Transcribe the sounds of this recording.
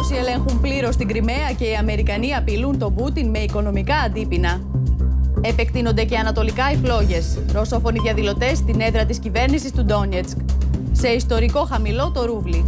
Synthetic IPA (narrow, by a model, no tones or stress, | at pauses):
osie̞le̞ŋxumpliɾo̞st̪iɡɾime̞ɐce̞iɐme̞ɾikɐniɐpilunt̪o̞but̪inme̞iko̞no̞mikɐːnd̪ipinɐ | e̞pe̞kt̪ino̞nd̪e̞ce̞ɐnɐt̪o̞likɐiflo̞ʝe̞sɾo̞so̞fo̞niðʝɐðilo̞t̪e̞st̪ine̞ðɾɐt̪iscive̞ɾnisist̪ud̪o̞net͡skse̞ist̪o̞ɾiko̞xɐmilo̞t̪o̞ɾuvli